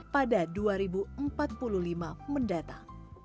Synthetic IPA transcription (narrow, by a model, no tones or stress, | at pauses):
padaduaɾibuəmpat̪̚pululimaməndat̪aŋ